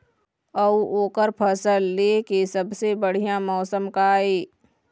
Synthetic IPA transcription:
əuoːkəɾpʰəsəlːeːkesəbsebəɽ̤ijamɔːsəmkaːeː

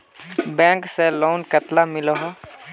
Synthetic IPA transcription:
bɛ̃ːŋkseloːnkət̪lamɪlɔɦɔ

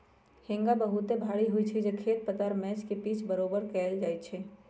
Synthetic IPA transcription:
hɪ̃ŋɡabəɦut̪ebʱaːɽiɦuit͡ʃʰid͡ʒekʰeːt̪̚pət̪aɾmɛːt͡ʃkepiːt͡ʃʰbəɾoːbəɾkɛld͡ʒaːjt͡ʃʰɛ

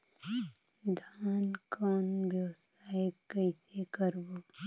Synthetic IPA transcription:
d̪ʱaːnkɔːnbjəʋsaːjkəisekəɾboː

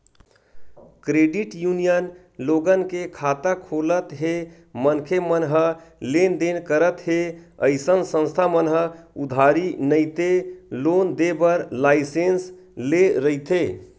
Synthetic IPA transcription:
kɾeɖiʈjunijən | loɡənkekʰat̪akʰolət̪ɦe | mənkʰemənɦəlend̪enkəɾət̪ɦeə̰ɪsənsə̃nst̪ʰamənɦəud̪ʱaɾinəɪt̪elond̪ebəɾlasens | leɾəit̪e

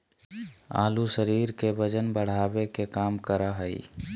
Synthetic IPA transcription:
a̰lusəɾiɾkebəd͡ʒənbəɽ̤abekekamkəɾəɦəḭ

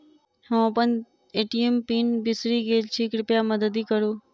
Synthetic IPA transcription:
hõːəpən | eːʈiempiːnbɪsɾiːɡeːd͡ʒt͡ʃʰiːkɾʊpjaməd̪əd̪iːkəɾũː

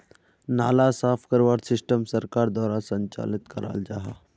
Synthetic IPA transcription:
naːlasaːpʰkəɾwaːɽsɪsʈəmsəɾkaːɾd̪waːɾasə̃ɲt͡ʃa̰ːlɪt̪kəɾa̰ːld͡ʒaːɦaː

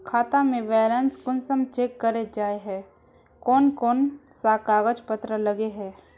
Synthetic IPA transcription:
kʰaːt̪amẽʋɛːlenskʊnsəmt͡ʃeːkːəɾed͡ʒaːeɦɛː | kɔːnkɔːnsaːkaːɡəd͡ʒpət̪ɾələɡeɦɛː

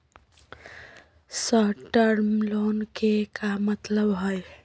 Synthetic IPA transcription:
səɦʈəɾmlonkekamət̪ləbɦoj

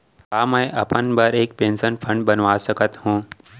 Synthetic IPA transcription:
ɦaːmə̃jʔɐpənbəɾeːk̚pẽːnsənfʰə̃ɳɖbənʋaːsəkət̪ɦũː

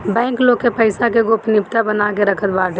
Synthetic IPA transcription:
bɛ̃ːŋkloːkepəɪsakeɡopnɪpt̪abənakeɾəkʰət̪baːʈe

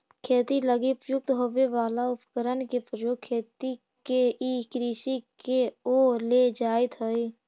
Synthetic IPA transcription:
kʰeːt̪iləɡipjʊk̚t̪ɦobeʋaːlaʊpkəɾənkepəɾjoːkʰːeːt̪i | keikɾiːʃikeoːɾled͡ʒaːet̪ɦəi

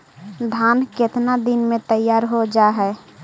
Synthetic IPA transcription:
d̪ʱaːnket̪nad̪inmẽt̪əjːaːɾɦod͡ʒaɦɛ

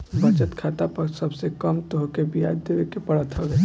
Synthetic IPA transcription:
bət͡ʃət̪kʰat̪apəɾsəbsekəmt̪oɦkebʱija̰d̪eʋekepəɽət̪ɦɔɡe

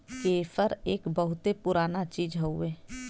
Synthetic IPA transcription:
keːfəɾeːkbəɦʊt̪epʊɾaːnat͡ʃiːd͡ʒɦoueː

